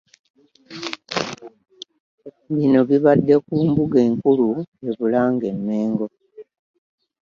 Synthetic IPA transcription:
βino̞βiβadːe̞kuːmbuɡe̞ːŋkulue̞βulaːŋɡe̞mːe̞ːŋɡo̞

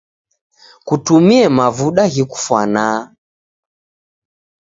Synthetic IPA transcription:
kutumiɛmavuɗaɣiku̥fwa̰na

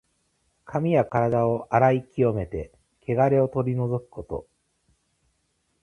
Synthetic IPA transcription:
kʰamʲijakaɾad̪ao̞ʔaɾaikʲio̞me̞t̪e̞ | kʰe̞ɡaɾe̞o̞t̪o̞ɾʲino̞zo̞kɯ̟̥ko̞t̪o̞̰

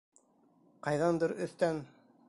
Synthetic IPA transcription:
qɑjðɑnd̪ɤɾɵ̆θt̪æn

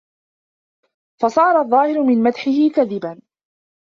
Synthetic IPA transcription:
fɑsˤɑːɾˤɑðˤːɑːhɪɾʊmɪnmad̪ħɪhɪkaðɪban

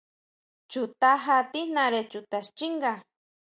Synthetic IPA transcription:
t͡ʃut̪aɦat̪inaɾet͡ʃut̪ast͡ʃiŋɡa

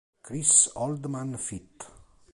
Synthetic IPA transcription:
kɾisɔld̪manfit̪

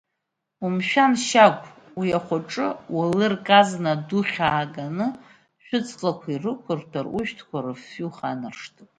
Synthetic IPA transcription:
umʃᶣanʃakʷʰʼ | wijaχʷaʈ͡ʂʼɨwalɨrkʼaznadʊχʲaːɡanɨ | ʃᶣʊt͡sʰʼlakʷʰairɨkʷʰʊrtʰaruʃᶣtʰkʷaɾɨfuχanɨrʂtʰɨ

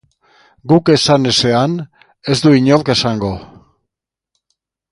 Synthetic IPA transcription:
ɡuke̞sanese̞an | e̞zd̪uiɲo̞lke̞saŋɡo̞

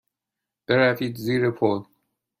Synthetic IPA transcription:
b̥eɾæfit̪ziɾepʰol

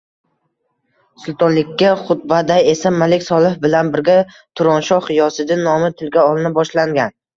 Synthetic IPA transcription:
sʊlˠt̪ʰɒnlɪkʲːaχʊt̪̚bad̪aje̞samalɪkʲsɒlˠɪhbɪlanbɪɾɡʲa | t̪ʰʊɾɒnʃɒχjɒsɪd̪ɪnɒmɪt̪ʰɪlɡʲaɒlˠɪnɪbɒʃlaŋɡʲan

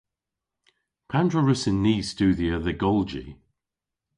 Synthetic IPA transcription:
pʰandɹəɹəsɪnːiːstʉːðiəðəɡɔlˠd͡ʒḭ

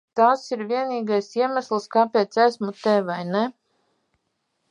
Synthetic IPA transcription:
t̪aːsiɾvʲiɛniːɡajsiɛmæslˠskaːpeːt̪sæsmut̪ɛvajnɛ

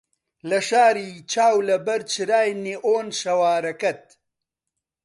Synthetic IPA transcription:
lɐʃaːɾiːt͡ʃaːwlɐbɐɾt͡ʃʰɨɾaːjneʔoːnʃɐwaːɾɐkɐt̪̚

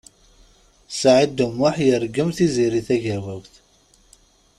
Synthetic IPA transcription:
sʕid̪umːʊħjəɾɡəmθiziɾiθæʝæwækθ

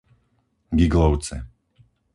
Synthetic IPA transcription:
ɡiɡlɔʊt͡sɛ̰

